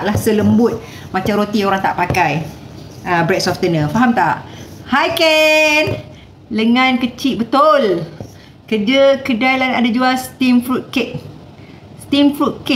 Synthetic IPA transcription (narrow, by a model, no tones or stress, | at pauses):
ʔlahsələmbʊt̪̚ | mat͡ʃamɾot̪ioɾaŋt̪a̰ʔpakaj | əbɾɛt̚sɔft̪ənə̃faɦamt̪aʔhajkɛn | dəŋãnkət͡ʃiʔ̚bət̪ʊl | kərd͡ʒəkədajlanadad͡ʒualsə̥t̪imfɾut̪̚keʔ̚ | st̪imfɾut̪̚kɪ